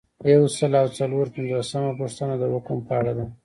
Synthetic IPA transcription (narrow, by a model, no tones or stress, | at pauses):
jawsəlawt͡saloɾpɪnzosamapəʂt̪ənad̪əhʊkəmpəaɽad̪a